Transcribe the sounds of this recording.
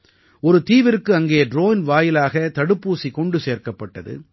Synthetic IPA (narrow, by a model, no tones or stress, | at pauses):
ɔɾɯt̪iːʋɪɾɯkːɯɐŋɡeːɖɾoːnʋaːjɪlaːɣɐt̪ɐɽɯpːuːsikɔɳɖɯseːɾkɐpːɐʈːɐðɯ̰